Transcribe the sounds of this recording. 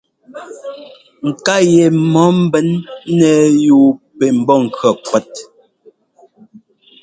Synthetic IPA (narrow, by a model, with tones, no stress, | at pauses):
ŋ̩˨ka˦˨je˨mɔ˨˦m̩˦bɛ˦nːɛ˨juː˨pɛ˨m̩˨bɔ˦˨ŋ̩˨kɰɔ˨kwɛ˦t̚